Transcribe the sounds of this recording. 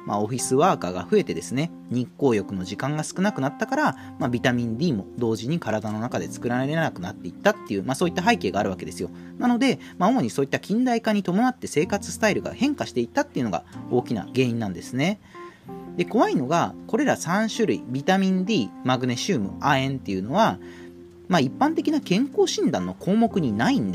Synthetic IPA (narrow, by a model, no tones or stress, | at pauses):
ma̰o̞ɸʲisɨβaːka̰ːɡa̰ɸɯ̟e̞t̪e̞d̪e̞sɨne̞ | ɲ̟ĩkːo̞ːjo̞kɯ̟no̞ʑikãŋɡasɨ̥kɯ̟nakɯ̟nat̪ːakaɾa | mabʲit̪amʲĩnd̪ʲiːmo̞d̪o̞ːʑiɲ̟ikaɾad̪ano̞nakad̪e̞t͡sɨ̥kɯ̟ɾaɾeɾe̞ɾnakɯ̟nat̪ːe̞it̪ːat̪ːe̞jɯ̟ːmasoːit̪ːaɦaike̞ːɡaːɾɯ̟βake̞d̪e̞sɨjo̞ | nano̞d̪e̞ | maomo̞ɲ̟isoːit̪ːakʲĩnd̪aikaɲ̟it̪o̞mo̞nat̪ːe̞se̞ːkat͡sɨ̥sɨ̥t̪aiɾɯ̟ɡa̰hẽ̞ŋkaɕi̥t̪e̞it̪ːat̪ːeiɯ̟no̞ɡa̰o̞ːkʲina̰ɡe̞ːɲĩnːãnd̪e̞sɨne̞ | d̪e̞ko̞βaino̞ɡako̞ɾe̞ɾasãɰ̃ɕɨɾɯ̟ḭbʲit̪amʲĩnd̪ʲiːmaɡɯ̟ne̞ɕɨːmɯ̟̰aẽ̞nt̪ːe̞jɯ̟no̞βa | maipːãnt̪e̞kʲinakẽ̞ŋko̞ːɕĩnd̪ãnːo̞kʰo̞ːmo̞kɯ̟ɲ̟inaĩnd̪